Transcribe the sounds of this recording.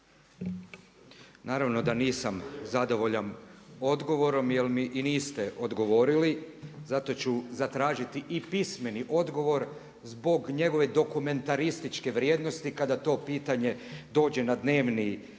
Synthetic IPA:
naːɾaʋno̞d̪aniːsamzad̪o̞ʋo̞ʎano̞d̪ɡo̞ʋo̞ɾo̞mjelmiʔiniːst̪eʔo̞d̪ɡo̞ʋo̞ːɾilizat̪o̞t͡ɕuzat̪ɾaːʒit̪iʔipisme̞niʔo̞d̪ɡo̞ʋo̞ɾ | zbo̞ɡɲe̞ɡo̞ʋe̞d̪o̞kume̞nt̪aɾist̪it͡ʃkeʋɾjeːd̪nost̪ikad̪at̪o̞ːpiːt̪aɲe̞d̪o̞ːd͡ʑe̞nad̪ne̞ːʋni

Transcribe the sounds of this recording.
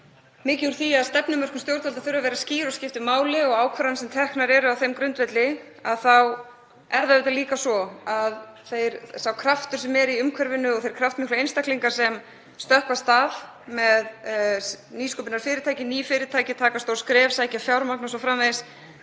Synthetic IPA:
mɪːcɪuɾ̥θiaðst̪ɛpnʏmœr̥kʏmst̪jowɾt̪valt̪aθʏɾʏavɛːɾasciːɾɔscɪft̪ɪmaːwlɪɔɣaːwkʰvœɾansɛmt̪ʰɛhknaɾɛɾʏawθejmkɾʏnt̪vɛt̪lɪ | aðθaw | ɛɾðaɪːt̪aliːkasɔað | θejɾsawkʰɾaft̪ʏɾ̥sɛmɛɾiʏmkʰvœɾvɪnːʏɔɣθejɾ̥kʰɾaft̪mɪhklejnst̪akliŋkḁsɛm | st̪œhkvast̪av | mɛð | niːskɔpɪnaɾ̥fɪːɾɪt̪ʰaːjcɪniːfɪːɾɪt̪ʰajcɪt̪ʰaːkast̪owɾskɾɛːvsajhcɪafjawɾmaknas̬ɔfɾamvejs

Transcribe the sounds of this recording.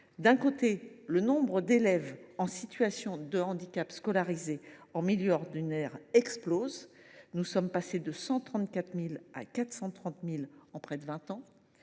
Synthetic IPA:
d̪ɛ̃kot̪elənɔ̃bʁəd̪elɛvɑ̃sit̪ɥasjɔ̃d̪əɑ̃d̪ikʲapskɔlaʁizeɑ̃miljøɔʁd̪ynɛʁɛksploz | nusɔmpased̪əsɑ̃t̪χɑ̃t̪̚kʲat̪χmila̰kat̪sɑ̃t̪χɑ̃t̪milɑ̃pχɛd̪əvɛ̃t̪ɑ̃

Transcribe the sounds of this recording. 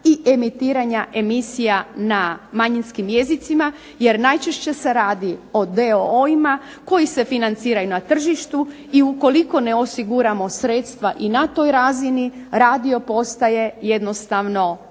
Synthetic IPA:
iʔe̞mit̪iːɾaɲaʔe̞misijanamaɲinskimje̞zit̪sima | je̞ɾnajt͡ʃeʃt͡ɕe̞se̞ɾaːd̪io̞d̪eooima | ko̞jise̞finant̪siːɾajunat̪r̩ʒiʃt̪u | iuko̞liko̞ne̞o̞siɡuɾamo̞sɾet̪st̪ʋaʔinat̪o̞jɾaziniɾaːd̪io̞po̞st̪aje̞je̞d̪no̞st̪aʋno̞

